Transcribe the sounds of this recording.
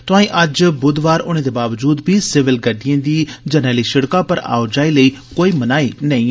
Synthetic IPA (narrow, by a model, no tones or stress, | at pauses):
t̪ʊãːĩːʔəd͡ʒbʊd̪ʋaːɾʊnẽːd̪eːbaːʋd͡ʒuːd̪biːsɪʋɪlɡəɖijãːd̪iːd͡ʒənɛːliːʃɪɽkãːpəɾa̰ːʊd͡ʒaːiːləiːkoːiːmənaːiːnəĩː